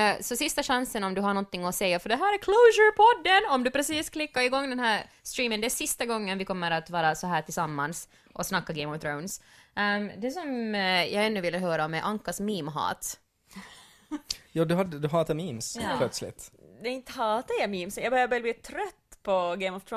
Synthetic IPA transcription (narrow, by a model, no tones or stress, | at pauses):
sɔsɪst̪aʂansənɔmd̪ɵɦaɳɔnt̪ːɪŋːɔsɛjːafœɖɛɦæːɾæɾkʰloːʃəɾpʰɔd̪ːənɔmd̪ʉpɾɛsiːskʰlɪkːaɾɪɡɔŋːd̪ɛnɦæːɾst̪ɾiːmənd̪ɛæsɪst̪aɡɔŋːənʋɪkʰɔmːəɾat̪vɑːɾasɔɦæːʈʰɪlsamːans | ʔɔsnakːaɡeɪmɔvt̪ʰɾoʊns | d̪ɛsɔmjʔɑɡɛnːʉvɪlːəɦøːɾaɔmɛʔaŋkːasmiːmɦɑ̰ːt̪ | jɑːd̪ɵɦad̪əd̪ʉɦɑːt̪amiːmspʰlœt̪slɪ̰t̪d̪ɛɪnt̪əhɑːt̪aɾjamiːmsjɑɡbɛhøːvbɛːbliːt̪ʰɾœt̪ːpʰɔɡeɪmɔvt̪ʰ